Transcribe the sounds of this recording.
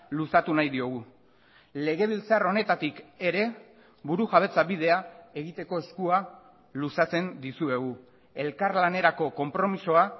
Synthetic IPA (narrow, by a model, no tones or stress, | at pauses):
lusat̪unajðio̞ɣ̞u | le̞ɣe̞β̞ilt͡saɾo̞ne̞t̪at̪ike̞ɾe̞ | βuɾuʝaβe̞t͡saβiðe̞ae̞ɣit̪e̞ko̞e̞skua | lusat͡se̞nd̪isue̞ɣ̞u | e̞lkaɾlane̞ɾako̞ko̞mpɾo̞miso̞a